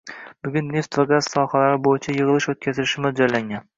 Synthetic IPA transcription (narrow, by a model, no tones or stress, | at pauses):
b̥ʊɡʲʊnːe̞ft̪vaɡaz̥sɒhalaɾɪbojɪt͡ʃʰajɨʁɨlˠɪʃot̪̚kʲʰazɪlɪʃɪmɪd͡ʒɒjlːaŋʲan